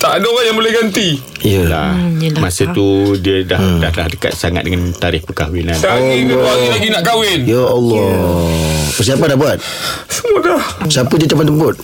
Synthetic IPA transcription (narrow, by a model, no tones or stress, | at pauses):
t̪aʔadaoɣanjaŋbolɛhɡant̪ijəla̰masət̪udiədahda̰hlahdəka̰t̪̚saŋa̰t̪̚dəŋant̪aɾɪhpəkawinanlanilaɡinaʔkawɪnjaɔlːɔ | pərs̬iapandabuat̪̚ | səmodasapədiət͡ʃ̪amant̪əmbʊt̪̚